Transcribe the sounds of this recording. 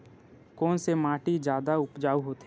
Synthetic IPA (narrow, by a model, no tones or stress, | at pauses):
kɔːnsemaːʈid͡ʒjaːd̪aʊpd͡ʒaːuɦoːt̪e